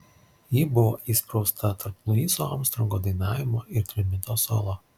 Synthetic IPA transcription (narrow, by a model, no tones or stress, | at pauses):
jiːbʊʋoːʔiːspɾɔʊst̪ʰɐt̪ʰɐɾpnˠʊiːsoːɑmst̪ɾɐŋɡoːd̪ɐɪnɑːʋʲɪmoːʔɪɾt̪ʲɾʲɪmʲɪt̪oːsoːlˠoː